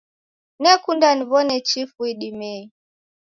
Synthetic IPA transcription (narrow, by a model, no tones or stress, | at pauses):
nɛkundaniβɔnɛt͡ʃifuiɗimɛi